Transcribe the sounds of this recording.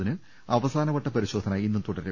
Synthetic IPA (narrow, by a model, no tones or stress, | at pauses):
inɨ | ɐʋɐsaːnɐʋɐʈːɐpɐɾiɕo̞ːd̪ʱɐnaːjinːumt̪uɽɐɾɨ